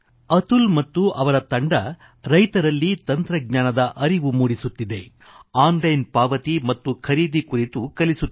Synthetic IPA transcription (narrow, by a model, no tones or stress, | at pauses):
ɐt̪ulmɐt̪ːuʔɐʋɐɾɐt̪ɐɳɖɐ | ɾɐjt̪ɐɾɐlːit̪ɐnt̪ɾɐɡ̚ɲaːnɐd̪ɐʔɐɾiʋumuːɽisut̪ːid̪e̞ | aːnlɐjnpaːʋɐt̪imɐt̪ːukʰɐɾiːd̪ikuɾit̪ukɐlisu